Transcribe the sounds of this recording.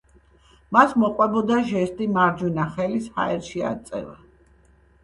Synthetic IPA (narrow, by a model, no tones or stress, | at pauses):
masmɔqʼwɛbɔd̪aʒɛst̪ʼimaɾd͡ʒwinaχɛlisha̰ɛɾʃia̰t̪sʼɛ̰va